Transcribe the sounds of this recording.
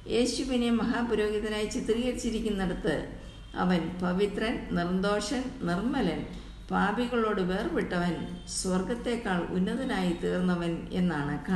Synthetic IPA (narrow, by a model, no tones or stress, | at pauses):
eːɕuʋine̞mɐɦaːpɐɾo̞ːɡiðɐnaːjit͡ɕit̪ːrijerit͡ɕːiɾikʲːunːeɽut̪ːɨ̰ | ɐ̰ʋɐnpɐʋit̪rɐnnirnd̪o̞ːʂɐnnirmɐlɐn | paːbiɣɐɭo̞ːɽɨʋe̞ːrpeʈːɐʋɐnswɐrɡɐt̪ːe̞ːkːaːɭṵnːɐðɐnaːjit̪eːrnːɐʋɐne̞̰nːaːɳɨka